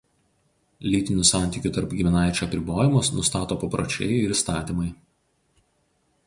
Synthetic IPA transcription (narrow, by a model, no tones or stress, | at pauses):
lʲiːt̪ʲɪnʲʊsɑˑnʲt̪ʲiˑkʲʊt̪ɐɾpɡʲɪmʲɪnɑɪt͡ʃʲuɐpʲɾʲɪboːjɪmʊsnʊst̪ɑːt̪oːpɐpɾo̰t͡ʃʲɛ̰ɪɪɾiːˑst̪ɑːt̪ʲimɐɪ